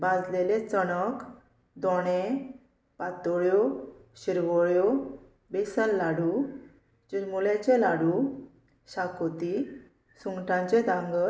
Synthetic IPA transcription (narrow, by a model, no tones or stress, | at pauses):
bãd͡zlelet͡sənək | d̪ɔɽ̃ẽ | pat̪ɔɭjoɕiɾʋɔɭjo | besəlːaɽu | d͡ʑumulɛt͡ɕẽlaɽu | ɕakot̪i | suŋɡʈʰãɲt͡ɕẽd̪ãŋɡə